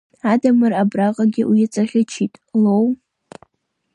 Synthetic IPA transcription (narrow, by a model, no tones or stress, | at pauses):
adamɨrabraqʼaɡʲɪwiat͡sʼaχʲɪt͡ʃʰitʼlow